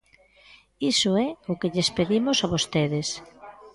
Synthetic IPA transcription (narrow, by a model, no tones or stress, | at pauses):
isʊɛʊkɪʎespeðimʊsaβost̪eðɪs